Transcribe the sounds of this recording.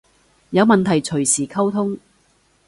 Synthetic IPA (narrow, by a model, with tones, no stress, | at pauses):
jɐ˨˧wmɐ˨nt̪ʰɐ˨˩jt͡ʃʰɵ˨˩ɥsiː˨˩kʰɐ˥wt̪ʰʊ˥ŋ